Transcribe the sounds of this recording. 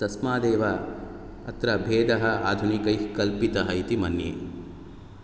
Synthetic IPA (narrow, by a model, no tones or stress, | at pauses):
t̪ɐsmaːd̪eːʋa | ɐt̪ɾɐbʱeːd̪ɐɦɐaːd̪ʱunikɐjkɐlpit̪ɐɦɐit̪imɐnjḛː